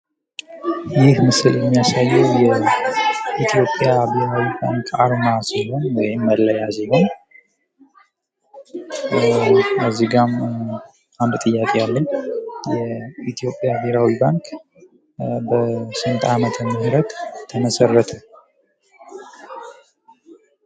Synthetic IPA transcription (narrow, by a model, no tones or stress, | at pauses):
jɪhmɨsɨljɛmːijasajːɛwjɛ | it̪ʰijo̞pʼːjabeɾawibaŋkʰʼaɾnasiɦo̞nwɔjɪmːəlːəjaziɡam | aziɡam | and̪t̪ʼɨjːakʼealːəɲjɛit̪ʰijo̞pʼːjabeɾawibaŋkʼ | bəsɨnt̪ʼamət̪ʰəmːəhɾət̪t̪ʰːəməsərːət̪ʰə